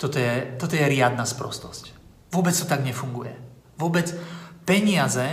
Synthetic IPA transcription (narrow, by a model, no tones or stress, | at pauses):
t̪ɔt̪ɔjɛt̪ɔt̪ɔjɛɾɪad̪naspɾɔ̰st̪ɔsc | ʋʊɔbɛt͡st̪ɔt̪aɡɲɛfuŋɡujɛ̰ | ʋʊɔbɛt͡spɛɲɪazɛ